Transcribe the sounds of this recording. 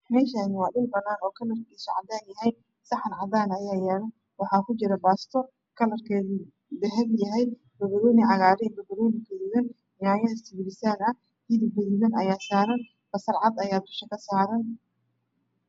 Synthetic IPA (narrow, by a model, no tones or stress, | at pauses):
mɛːʃaːnɪwɑːɗʊlbɐnːaːnɔːkʰɐlɐrkiːsɔʕɑd̪aːnjɐɦɛj | sɐħɐnʕɑd̪aːnɐjaːjɛːlɐn | wɑħɑːkʰʊt͡ʃɪɾɐbaːst̪ʰɔ | kʰɐlɐrkʰɛːði | d̪ɐɦɛljɐɦɛj | bɐɣɐɾɔːnɪʕɑɣaːɾɛbɐɣɐɾɔːnɪkʰɐðɪɣɐn | jaːjɐɐst̪ʰɪbɪɾɪsaːnɐ | hiðɪɡʊðɪɣɐnɐjaːsaːɾɐn | fɐsɐrʕɑd̪ɐjaːd̪ʊʃɐkʰɐsaːɾɐn